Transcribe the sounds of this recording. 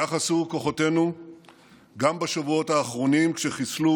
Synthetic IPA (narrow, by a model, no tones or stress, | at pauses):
aχasuko̞χote̞nu | ɡambaʃavuo̞thaːχʁo̞nimkʃeχislu